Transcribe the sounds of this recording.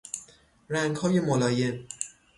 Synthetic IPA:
ɾæŋɡhɒːjemolɒːjem

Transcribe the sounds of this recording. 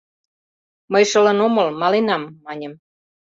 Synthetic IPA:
məjʃə̆lə̆nomɤəlmɑlenɑmːɑnʲə̆m

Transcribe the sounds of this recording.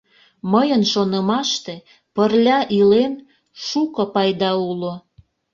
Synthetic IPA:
məjənʃonə̆mɑʃt̪e | pərlʲɑʔilen | ʃukɤpɑjd̪ɑulo

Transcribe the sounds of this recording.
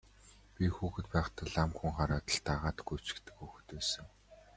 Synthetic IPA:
pʲixuːxɘ̆t̪pæːχt̪ə̆ɮamxuŋχaɾaːt̪ə̆ɬt̪aʁaːt̪ɡuj̥ʰt͡ɕɪ̥̆kt̪ɘ̆kxuːxɘ̆t̪æːsɘ̆ŋ

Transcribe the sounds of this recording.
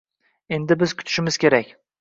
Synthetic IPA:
e̞nd̪ɪbɪzkʲʰʊ̥t̪ʰɪ̥ʃɪmɪzkʲʰe̞ɾakʲ

